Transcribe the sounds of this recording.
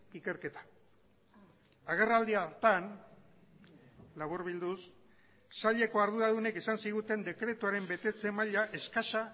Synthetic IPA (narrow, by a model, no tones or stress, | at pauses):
ike̞ɾke̞t̪ḁ | aɣ̞e̞rald̪iat̪an | laβuɾβild̪us | saʎe̞ko̞aɾð̞uɾaðune̞kesansiɣ̞ut̪e̞nd̪e̞kɾe̞t̪uaɾe̞mbe̞t̪e̞t͡se̞maʎaʔe̞skaʃa